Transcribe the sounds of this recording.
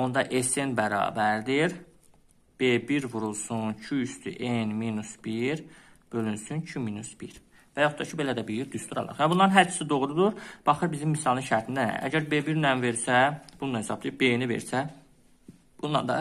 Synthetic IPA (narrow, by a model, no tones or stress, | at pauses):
o̞nd̪ɑʔesenbæɾɑ̰ːbæɾd̪iɾ | b̥ebiɾvuɾulˠsuncʰyyst̪yʔenminusb̥iɾ | b̥ølynsyncʰyminusb̥iɾ | væjoχt̪ɑcʰibe̞læd̪æbijiɾd̪yst̪uɾɑ̰lˠɑ̰ɾvæbunːˠɑɾɯnɦæɾt͡ʃʰi̥sid̪o̞ʁɾud̪uɾb̥ɑχɯɾbizimːisɑlˠɯnʃæɾt̪ʰind̪æ̰æ̰ɟæɾbebiɾnænve̞ɾsæb̥und̪ɑnhesɑb̚d̪ibenive̞̰ɾsæ | b̥und̪ɑnd̪ɑ